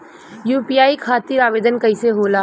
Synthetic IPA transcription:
juːpijaːikʰaːt̪ɪɾaːʋeːd̪ənkɐɪseɦoːlaː

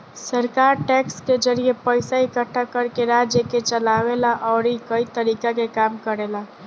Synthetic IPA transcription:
səɾkaɾʈɛksked͡ʒəɾijepəɪsaikəʈʰːakəɾkeɾad͡ʒjəket͡ʃəlaʋelaʔɔʊɾikəit̪əɾikakekamkəɾela

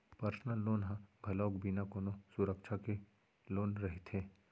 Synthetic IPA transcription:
pɐɾsnəlːoːnɦãbʱɐlɔːkbʱinakoːnosʊɾəkʃʰake | loːnɾɐɦet̪ʰeː

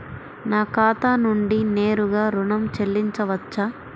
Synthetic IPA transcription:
naːkaːt̪aːnuɳɖineːɾuɡaːɾuɳɐmt͡ʃelːiɲt͡ʃɐʋɐt͡ʃːɐ

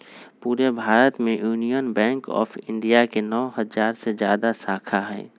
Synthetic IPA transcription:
puːɾebʱaːɾət̪mẽjuːnijənbɛ̃ːŋkɔ̰ːfʰɪ̃ɳɖijakenɔːɦɐzaːɾsezja̰ːd̪asaːkʰaɦɛ̰ː

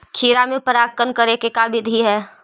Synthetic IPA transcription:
kʰiːɾamẽpəɾaːkːənkəɾekekaːbɪd̪ʱɦiɦɛː

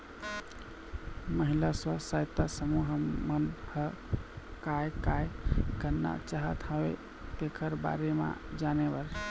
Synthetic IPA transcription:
məɦilaswasajt̪ːasəmuɦmənhə | kajkajkənːa̰t͡ʃaɦət̪ʰawe | t̪ekʰəɾba̰ɾema̰d͡ʒanebəɾ

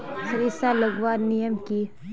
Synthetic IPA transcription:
səɾisaləɡʋaːɾnijəmki

